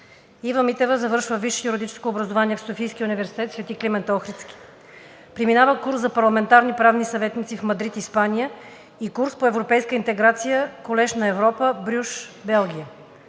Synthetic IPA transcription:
ivəmit̪ɛvəzɐvɤɾʃvəviʃɛjuɾid̪it͡ʃɛ̥skoːbɾɐzovaniɛfsofijskʲiunivɛɾsi̥t̪ɛt̪svʲɛt̪iklimɛnt̪ɔxɾit̪ski̥ | pɾiminavəkuɾszɐpɐɾlˠɐmɛnt̪aɾnipɾavnisɐvɛt̪nit̪sifmɐd̪ɾit̪ispanijə | ikuɾspoɛvɾopɛjskəint̪ɛɡɾat̪sijəkolɛʃnɐɛvɾɔpəbɾʲuʃbɛlˠɡʲiə

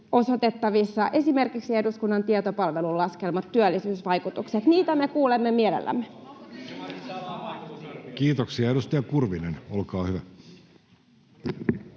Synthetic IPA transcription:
o̞sot̪et̪ːɑʋisːɑʔe̞simerkiksiehduskunːɑnt̪iɛt̪opɑlʋelullɑskelmɑt̪tyælːisyːsʋɑijkut̪ukset̪niːt̪æmekuːlemːemielḛlːæ̰mːe | kiːt̪oksiɑeɾust̪ɑjɑkurʋinenolkɑːhyʋæ

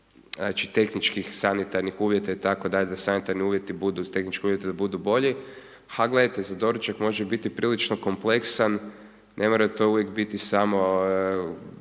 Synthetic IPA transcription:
nat͡ʃit̪e̞xnit͡ʃkixsanit̪aɾnixuːʋjet̪ait̪ako̞d̪aʎed̪asanit̪aɾniuːʋjet̪ibud̪ut̪e̞xnit͡ʃkeuːʋjet̪ed̪abud̪ubo̞ʎi | haɡle̞d̪at̪ezad̪o̞ɾut͡ʃakmo̞ʒebit̪ipɾilit͡ʃnoko̞mple̞ksan | nʔe̞mo̞ɾat̪o̞uʋjekbit̪isamo̞

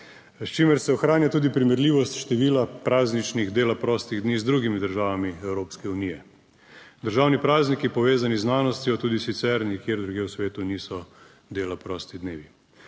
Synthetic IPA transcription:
st͡ʃiməɾsɛɔxɾaːnjat̪uːd̪ipɾimɛɾliːʋɔst̪ʃt̪ɛʋiːlapɾaːznit͡ʃniɣd̪eːlapɾɔːst̪iɣd̪niːzd̪ɾuːɡimid̪əɾʒaːʋamiɛwɾoːpskɛunijɛ | d̪əɾʒaːwnipɾaːznikipɔʋeːzaniznaːnɔst̪jɔt̪uːd̪isit̪sɛɾnikjeːɾd̪ɾuɡjeːwsʋeːt̪uniːsɔ | d̪eːlapɾɔːst̪id̪neːʋi

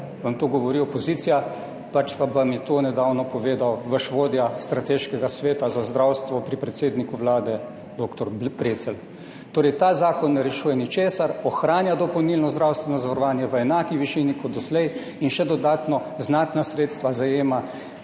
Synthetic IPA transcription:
ʋamt̪oɡɔʋɔɾiɔpɔziːt̪sija | pat͡ʃpabamjɛt̪onɛd̪aːwnɔpɔʋeːd̪awʋəʃʋoːd̪jast̪ɾat̪eʃkɛɡasʋeːt̪azazd̪ɾawst̪ʋɔpɾipɾɛt̪seːd̪nikuʋlaːd̪ɛ | d̪oːkt̪ɔɾbɾeːt̪sɛl | t̪oːɾɛjt̪aːzaːkɔnːɛɾɛʃuːjɛnit͡ʃeːsaɾɔxɾaːnjad̪ɔpɔwnilnɔzd̪ɾawst̪ʋɛnɔzaʋɐɾɔʋaːnjɛʋəɛnaːkiʋiʃiːnikɔd̪d̪ɔslɛj | inʃɛd̪ɔd̪aːt̪nɔznaːt̪nasɾeːt̪st̪ʋazajeːma

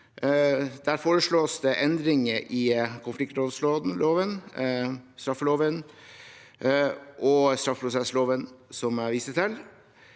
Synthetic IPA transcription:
d̪æɾfoːɾəʂɭoːsd̪ɛʔɛnd̪ɾɪŋəʔɪkʰʊnflɪk̚t̪loːd̪sloːd̪n̩loːʋən | st̪ɾɑfːəloːʋən | ʔɔst̪ɾɑfpʰɾʊsɛsloːʋənsɔmæɾʋiːsət̪ʰɪl

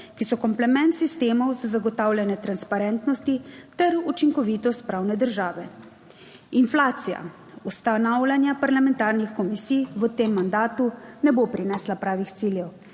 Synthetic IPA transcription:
kisɔkɔmplɛmɛnt̪sist̪eːmɔwzazaɡɔt̪aːwlʲjanɛt̪ɾanspaɾɛnt̪nɔst̪it̪ɛɾut͡ʃiŋkɔʋiːt̪ɔst̪̚pɾaːwnɛd̪əɾʒaːʋɛ | inflaːt̪sija̰ | ust̪anawlʲanjapaɾlamɛnt̪aːɾnixkɔmisijʋət̪emːand̪aːt̪unɛbopɾinɛːslapɾaːʋixt̪siːljɛw

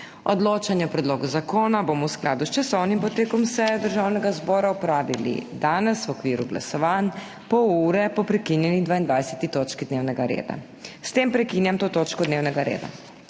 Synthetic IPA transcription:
ɔd̪loːt͡ʃanjɛwpɾɛd̪loːɡuzakoːnabomɔwsklaːd̪ust͡ʃasɔwnimpɔt̪eːkɔmsɛd̪əɾʒawnɛɡazbɔːɾaupɾaːʋilḭd̪aːnɛswɔkʋiːɾuɡla̰sɔʋan | pɔuːɾɛpɔpɾɛkinjɛnid̪ʋaind̪ʋajsɛ̥t̪it̪oːt͡ʃkid̪neːwnɛɡaɾḛːd̪a̰ | st̪eːmpɾɛkinjamt̪oːt̪oːt͡ʃkɔd̪neːwnɛɡaɾḛːd̪a̰

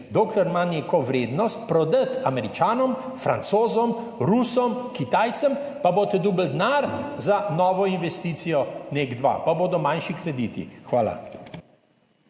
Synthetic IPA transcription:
d̪oːklɛɾmaneːkɔʋɾeːd̪nɔst̪̚pɾɔd̪ət̪amɛɾit͡ʃaːnɔm | fɾa̰nt̪soːzɔmɾusɔmkit̪ajt̪səmpaboːt̪ɛd̪uːbəld̪naːɾzanɔːʋɔinʋɛst̪iːt̪sijɔneɡd̪ʋa̰paboːd̪ɔmanʃikɾɛd̪iːt̪ḭxʋaːla̰

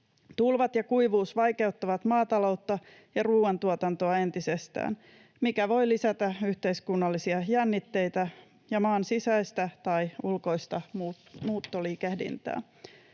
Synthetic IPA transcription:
t̪ulʋɑt̪jɑkuiʋuːsʋɑjke̞ut̪ːɑʋɑt̪mɑːt̪ɑlo̞wt̪ːɑ | jɑruːwɑnt̪uot̪ɑnt̪oɑe̞nt̪ise̞st̪æ̰ːn | mikæʋo̞jlisæt̪æyht̪e̞iskunːɑlːisiɑjænːit̪ːe̞jt̪æ | jɑmɑːnsisæjst̪æt̪ɑjulko̞ijst̪ɑmumuːt̪ːoliːkehdḭnt̪æ̰ː

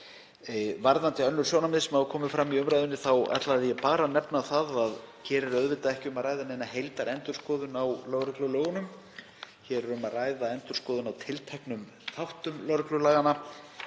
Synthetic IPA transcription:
vaɾðant̪ɪœnːʏɾ̥sjɔːwnamɪðsɛmavʏkʰɔːmɪfɾamːiʏmɾajðʏnːɪθawɛ̰t̪laðɪjɛpaːɾanɛpnaθaðaðcʰɛːɾɪɾœðvɪt̪aɛhcɪʏmaðraːjðanejnahejlt̪aɾɛnt̪ʏɾ̥skɔːðʏnawlœɣɾʏklʏlœːɣʏnʏm | çɛːɾɾʏmaðraːjðaɛnt̪ʏɾ̥skɔːðʏnawt̪ʰɪlt̪ʰɛhknʏm | θawht̪ʏmlœwɾklʏlaːɣanːa

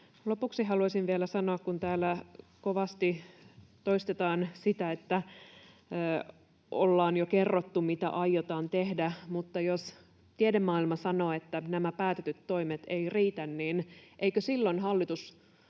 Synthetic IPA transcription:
lopuksiɦɑluɑisiʋʋielæsɑnoɑkkunt̪æːlːækoʋɑst̪it̪oist̪et̪ɑːnsit̪æet̪ːæ | ʔolːɑːnjokerːot̪ːumit̪æ̰ʔɑjot̪ɑːnt̪ehdæmut̪ːɑjos | t̪iedemːɑːilmɑsɑno̞ːet̪ːænæmæpæːt̪et̪yt̪ːo̞ijmet̪e̞iriːt̪ænniːnʔeikøsilːonɦɑlːit̪us

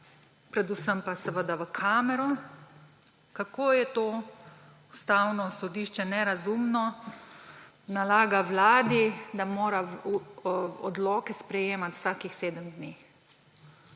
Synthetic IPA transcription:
pɾɛd̪usəmpasɛʋəd̪aʋəkʰaːmɛɾɔ | kakoːjɛt̪o | ust̪aːwnɔsɔd̪iːʃt͡ʃɛnɛɾazumnɔ | nalaːɡawlaːd̪id̪amoːɾa | ɔd̪lɔːkɛspɾɛjeːmat̪w̥saːkixseːd̪əmd̪neːx

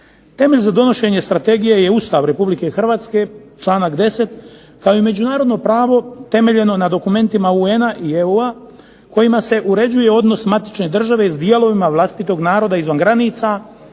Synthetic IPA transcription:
t̪e̞me̞ʎʲzad̪o̞no̞ʃe̞ɲe̞st̪ɾat̪e̞ɡijeje̞ust̪aʋɾe̞publike̞xr̩ʋaːt̪ske̞t͡ʃlaːnakd̪e̞se̞t̪ | kao̞ime̞d͡ʑunaːɾo̞d̪no̞pɾaːʋo̞t̪e̞me̞ʎe̞no̞nad̪o̞kume̞nt̪imaue̞naʔieua | ko̞jimase̞ʔuɾe̞d͡ʑuje̞o̞d̪no̞smat̪i̥t͡ʃne̞d̪r̩ʒaʋe̞zd̪ijelˠo̞ʋimaʋlˠast̪it̪o̞ɡnaːɾo̞d̪aizʋanɡɾaniːt̪sa

